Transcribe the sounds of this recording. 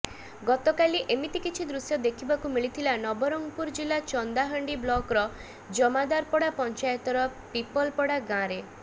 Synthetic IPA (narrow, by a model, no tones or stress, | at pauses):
ɡɔt̪ɔkaliʔemit̪ikit͡ʃʰid̪ɾusjɔd̪ekʰibakumiɭit̪ʰilanɔbɔɾɔŋɡɔpuɾd͡ʒilat͡ʃɔnd̪aɦɔɳɖiblɔkɾɔ | d͡ʒɔmad̪aɾpɔɽapɔnt͡ʃajɔt̪ɔɾɔpipɔlpɔɽaɡãɾe